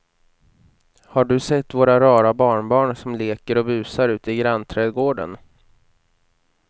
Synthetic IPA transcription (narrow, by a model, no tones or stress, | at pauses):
haɖɵsɛt̪ːvoːɾaɾɑːɾabɑːɳbɑːɳsɔmleːkəɾɔbʉ̟ːsaɾʉ̟ːt̪əɪɡɾanːt̪ʰɾɛːd̪ɡoːɖə̰n